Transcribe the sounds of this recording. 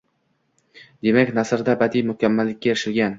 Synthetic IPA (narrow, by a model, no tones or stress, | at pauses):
d̪e̞makʲnasɾd̪abad̪ijmʊkʲʰamːalːɪk̚ʲːajeɾɪʃɪlɡʲan